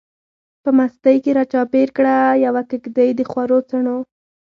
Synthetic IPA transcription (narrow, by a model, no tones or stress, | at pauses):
pəmast̪əjkeɾɑt͡ʃɑpeɾkɽajawakɪkd̪əjd̪əxwaɾot͡saɳo